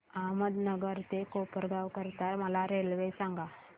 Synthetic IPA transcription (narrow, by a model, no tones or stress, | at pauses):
aməd̪nəɡəɾt̪ekopəɾɡawkəɾt̪aɾməlaɾelʋesãŋɡa